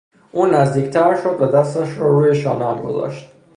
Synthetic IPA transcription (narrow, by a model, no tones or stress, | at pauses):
ʔuːnæzd̪iːcʰt̪ʰæɾʃod̪̚bæd̪æst̪æʃɾɒɾuːjeʃɒ̰ːnæmɡo̞̰zɒ̰ʃt̪